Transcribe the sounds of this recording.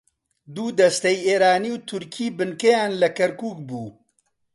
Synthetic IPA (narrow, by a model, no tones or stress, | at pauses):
d̪uːd̪ɐst̪ɛjeːɾaːniːwt̪ʰʊɾkʰiːbɨnkejaːnlɐkɐɾkuːkbuː